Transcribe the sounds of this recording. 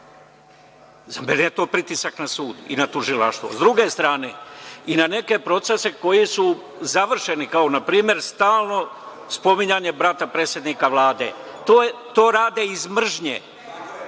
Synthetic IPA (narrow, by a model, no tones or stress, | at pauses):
zamenejet̪o̞ːpɾit̪isaknasuːd̪ḭnat̪uʒilaʃt̪ʋo̞̰zd̪ɾuɡe̞st̪ɾaːne̞̰inane̞ke̞pɾo̞t̪se̞seko̞jisu | zaʋr̩ʃe̞nikao̞napɾiːmje̞ɾst̪aːlˠno̞ | spo̞miɲaɲe̞bɾat̪apɾe̞ːt̪sʲje̞d̪nikaʋlˠaːd̪e̞̰ | t̪ot̪o̞ːɾaːd̪eizmr̩ʒɲḛː